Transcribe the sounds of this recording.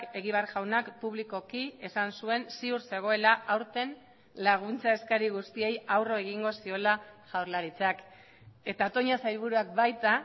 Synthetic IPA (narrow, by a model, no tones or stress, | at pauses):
ke̞ɣiβaɾʝawnakpuβliko̞kie̞sansue̞nsiuɾse̞ɣ̞o̞e̞laʔawɾt̪e̞n | laɣ̞unt͡sae̞skaɾiɣ̞ust̪ie̞jawro̞e̞ɣiŋɡo̞sio̞laʝawɾlaɾit͡sak | e̞t̪at̪o̞ɲasajɾβ̞uɾuakbajt̪a